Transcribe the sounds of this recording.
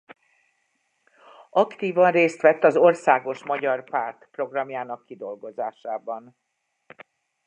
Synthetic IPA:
ɒkt̪iːvɒnreːst̪ʋɛt̪ːɒzo̞rsaːɡo̞ʃmɒɟɒrpaːrt̪pro̞ɡrɒmjaːnɒkːid̪o̞lɡo̞zaːʃaːbɒn

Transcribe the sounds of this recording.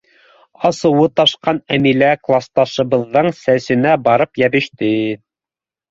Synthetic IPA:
ɑsɤ̆wɤt̪ɑʃqɑnæmilæklˠɑst̪ɑʃɤ̆βɤ̆ðːɤɴsæsɘ̆næbɑɾɤpjæβɘ̆ʃt̪ɘ

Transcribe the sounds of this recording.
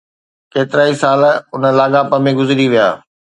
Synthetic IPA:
keːt̪ɪɾaːisaːlʊnəlaːɠaːpəmẽɡʊzɪɾiʋija̰ː

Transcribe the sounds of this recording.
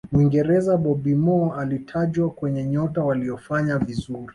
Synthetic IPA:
mwiŋɡɛɾɛzaɓɔbimɔalitʰaʄwakwɛɲɛɲɔtawaliɔfaɲavizuɾi

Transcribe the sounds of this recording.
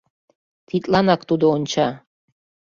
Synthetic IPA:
t̪ʰit̪ʼlɑnɑkt̪ud̪oont͡ɕʰɑ

